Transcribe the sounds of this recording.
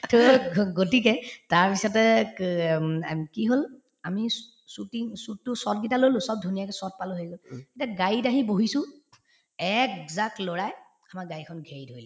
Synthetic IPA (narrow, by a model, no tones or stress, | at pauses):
toɡotik̬ɛtaɹpisɔtɛ | kiɦol | ami | sutiŋsut̚ːʊsɔt̚ɡitalolʊ̃sɔb̚dʱunijakɛsɔt̚palʊɦojɡɔletiaɡaitaɦiboɦisʊ̃ | ɛkzak̚tlɔɹaj | amaɡaikʰɔnɡʱejdʱojlɛ